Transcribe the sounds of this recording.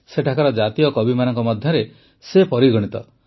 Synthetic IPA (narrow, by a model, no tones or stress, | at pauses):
seʈʰakaɾɔd͡ʒat̪ijɔkɔbimanɔŋkɔmɔd̪ʱjɔɾe | sepɔɾiɡɔɽ̃it̪ɔ